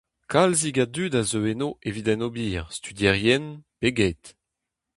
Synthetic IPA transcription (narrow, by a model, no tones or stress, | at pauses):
kʰalziɡadydazøenoʔevidɛnobiːʁst̪yd̪jɛʁjɛnpeɡɛt